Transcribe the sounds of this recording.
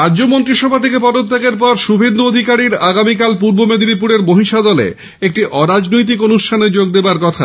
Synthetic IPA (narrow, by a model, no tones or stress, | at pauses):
ad͡ʑomont̪ɾiʃɔbʱat̪ʰekepɔd̪ot̪ʰːekeɾpɔɾʃubʱend̪uod̪ʱikaɾiɾaɡamikalp̬uɾbomed̪iɾipuɾeɾmoɦiʃad̪ɔlḛ | ek̚ʈiʔɔɾad͡ʑnojt̪̬ikonuʃʈʰaned͡ʑoɡ̚d̪ebaɾkɔt̪ʰa